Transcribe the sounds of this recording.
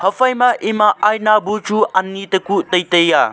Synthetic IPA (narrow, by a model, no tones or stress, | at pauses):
hɐfʰɐjmɐʔimaʔajnabut͡ʃuanːitɐkutɐjtɐja